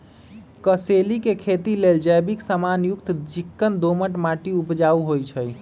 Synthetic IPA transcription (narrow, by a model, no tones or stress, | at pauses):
kəselikekʰet̪ileld͡ʒəjbiksəmanjukt̪t͡ʃikːənd̪oməʈmaʈiupd͡ʒauɦojt͡ʃʰəj